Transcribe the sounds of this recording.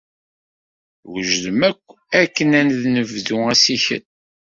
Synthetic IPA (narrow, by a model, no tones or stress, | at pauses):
wəʒðəmækʷː | ækːənænðnəvðuæsiçə̰n